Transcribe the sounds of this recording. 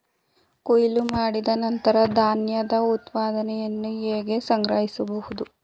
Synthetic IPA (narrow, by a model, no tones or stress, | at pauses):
kojilumaːɽid̪ɐnɐnt̪ɐɾɐd̪ʱaːnjɐd̪ɐut̪paːd̪ɐnɛjɐnːueːɡe̞sɐŋɡɾɐɦisɐbɐhud̪u